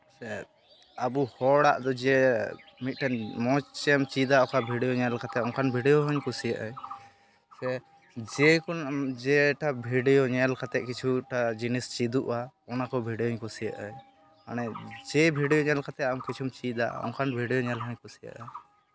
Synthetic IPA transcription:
sɛ | abuhɔɽaʔd̪ɔd͡ʒɛmit̪̚ˀʈanmɔt͡ʃt͡ʃɛmt͡ʃid̪aʔɔkabʱiɖɛjɔɲɛlkat̪ɛɔŋkʰanbʱiɖɛjɔɦɔɲkusijaʔaj | sɛ | d͡ʒɛkɔd͡ʒɛʈabʱiɖɛjɔɲɛlkat̪ɛʔkit͡ʃʰuʈad͡ʒinist͡ʃid̪uʔwaɔnakɔbʱiɖɛjɔɲkusija̰ʔaj | anɛd͡ʒɛbʱiɖɛjɔɲɛlkat̪ɛamkit͡ʃʰumt͡ʃid̪aʔɔ̰ŋkʰanbʱiɖɛjɔɲɛlɦɔɲkusija̰ʔa

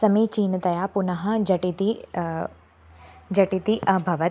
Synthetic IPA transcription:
sɐmit͡ʃiːnɐt̪ɐjaːpunɐɦɐ̆d͡ʒɐʈit̪i | d͡ʒɐʈit̪iʔɐbʱɐʋɐt̪

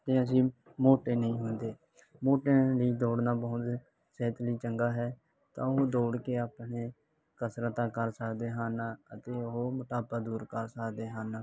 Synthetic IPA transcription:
t̪eːəs̬ĩː | moːʈeːnəĩːɦʊnd̪eː | moːʈẽːliːd̪oːɽnaːbəːʊt̪ | seːt̪liːt͡ʃəŋɡaːɦɛː | t̪ã̰ːʊɦoːd̪oːɽkeːaːpneː | kəsɾəːt̪ãːkəɾsəkd̪eːɦaːnːət̪eːʊɦomət̪aːbad̪uːɾkəɾsəkd̪eːɦaːna

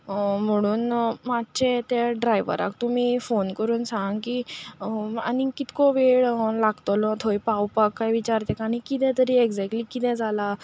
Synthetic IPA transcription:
m̤əɽ̃uːnmatːt͡ɕet̪eɖɾajʋə̰ɾa̰kt̪um̤iːfonkəɾuːnsãŋɡki | a̰nikit̪koʋeɭlaɡt̪olɔ̃t̪ʰojpawpakːajʋit͡ɕaɾt̪ɛkaɽ̃ikit̪ɛ̃t̪əɾieɡd͡zɛk̚ʈliːkit̪ɛ̃d͡zʱala

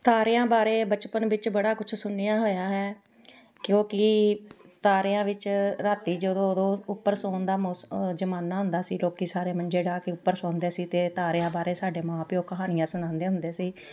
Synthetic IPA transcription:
t̪aːɾeːãːbaːɾeːbət͡ʃpənʋɪt͡ʃbəɽaːkʊt͡ʃʰsʊnːɪjãːɦoːjaːɦɛː | kjõːkɪ | t̪aːɾeːãːʋɪt͡ʃɾaːt̪iːd͡ʒəd̪õːd̪õːʊpːəɾsoːnd̪aːmosd͡ʒəmaːnːaːɦʊ̃nd̪aːsiːloːkiːsaːɾeːmənd͡ʒeːɖaːkɪʊpːəɾsõːnd̪eːsiːt̪eːt̪aːɾːãːbaːɾeːsaːɖeːmãːpɪoːkəɦaːnɪjãːsʊnãːnd̪eːɦʊnd̪eːsiː

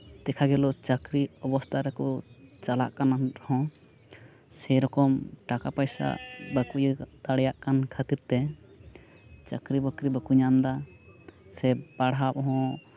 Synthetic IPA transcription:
t̪ɛkʰaɡɛlɔt͡ʃəkɾiɔbɔst̪ʰaɾɛkɔt͡ʃala̰ʔkanahɔ̃ | sɛɾɔkɔmʈakapajsa̰bəkujt̪aɽɛjaʔkankʰət̪iɾt̪ɛ | t͡ʃəkɾibəkɾibəkuɲamd̪a | sɛbaɽɦap̚ɦɔ̃

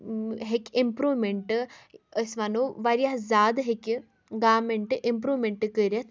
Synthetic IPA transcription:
ɦekʲimpɾuːʋmeɳʈɨəsʋanuʋɐɾjaɦzaːd̪ɦekʲi | ɡaːmeɳʈɨʔimpɾuːʋmeɳʈkəɾʲɐt̪ʰ

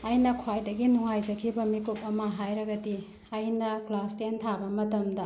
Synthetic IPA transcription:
ɐjnɐkʰwajdɐɡinuŋajzɐkʰibɐmikup̚ɐmɐɦajɾɐɡɐdi | ɐjnɐklastentʰabɐmɐtɐmdɐ

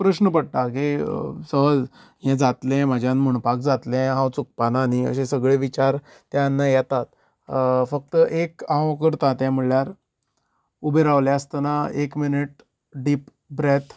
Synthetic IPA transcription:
pɾəɕnəpəɽʈ̪akisəɦəd͡z | jɛ̃d͡zat̪lɛ̃məd͡ʑʱjãnməɳpak̚d͡zat̪lɛ̃ɦãwt͡suk̚pananiə̰ɕesəɡɭeʋit͡ɕaɾ | t̪janːajɛt̪at̪̚ | fək̚t̪əʔekãwkəɾt̪ãt̪jãmuɭjaɾ | ubʱeɾaʋljaəst̪ənaekminiʈ̚ | ɖiːp | bɾet̪ʰ

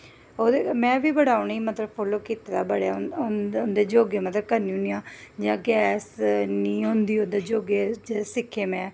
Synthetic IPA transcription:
oːd̪emɛ̃ːʋiːbəɽaːniːmət̪ləbpʰoːloːkiːt̪eːd̪aːbəɽjaʊnd̪eːd͡ʒoːɡeːmət̪ləb̚kəɾnĩːʊnijãːd͡ʒãːɡɛːsniːɦʊ̃nd̪iːond̪eːd͡ʒoːɡeːsɪkʰːeːmɛ̃ː

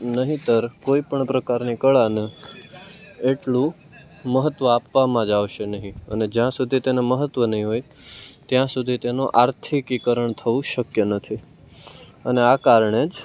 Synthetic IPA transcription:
nəɦĩt̪əɾkoipəɳpɾəkaɾnikəɭanə | eʈlũ | məɦət̪ʋəapːamãd͡ʒaʋʃenəɦĩə̰ned͡ʒjãsud̪ʱit̪eneməɦət̪ːʋənəɦĩɦojt̪jãsud̪ʱit̪enoʔaɾt̪ʰikʋikəɾəɳt̪ʰəʋũʃəkjənət̪ʰi | əneakaɾəɳ̃ed͡ʒ

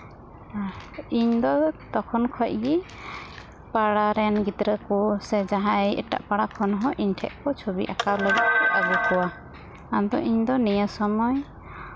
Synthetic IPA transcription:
iɲd̪ɔt̪ɔkʰɔnkʰɔc̚ɡi | paɽaɾɛnɡit̪ɾəkusɛd͡ʒaɦaɛɛ̰ʈa̰ʔpaɽakʰɔnɔɦɔ̃ʔiɲʈʰɛ̰ʔkɔt͡ʃʰobḭʔa̰kawləɡɛt̪̚kɔʔʔabɔkɔwa | and̪ɔ̰ʔiɲd̪ɔnijəsɔmɔj

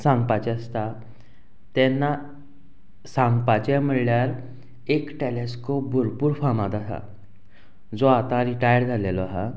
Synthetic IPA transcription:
sãŋɡpat͡ɕɛəst̪a | t̪ɛnːa | sãŋɡpat͡ɕɛm̤əɽljaɾ | ekʈeleskop̚bʱuɾpuːɾfamad̪asa̰ | d͡zoat̪ãɾiʈajəɽd͡zʱalelɔaɦa̰

